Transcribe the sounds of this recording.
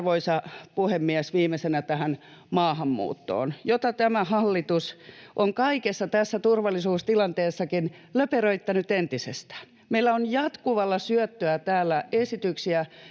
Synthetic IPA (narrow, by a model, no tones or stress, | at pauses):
ʋoisɑpuhemːiæsʋiːmesenæt̪æhæn | mɑːhɑmːṵːt̪ːo̰ːnjot̪ɑt̪æmæhɑlːit̪usʔoŋkɑikesːɑt̪æsːæt̪urʋɑlːˑisuːst̪ilɑnt̪eːsːɑkin | løperøit̪ːɑnyt̪ent̪isest̪æ̥ːn | meilːæonjɑt̪kuʋɑlːɑsyœt̪ːøæt̪æːlːæesit̪yksiæ